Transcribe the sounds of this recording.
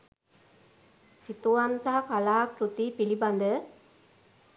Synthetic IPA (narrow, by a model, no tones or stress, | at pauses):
sit̪uansaɦakalaːkɾut̪ipiliband̪ə